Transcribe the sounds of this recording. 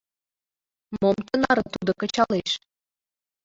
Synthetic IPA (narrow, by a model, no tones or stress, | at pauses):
momt̪ənɑɾənt̪ud̪okə̆t͡ɕɑleʃ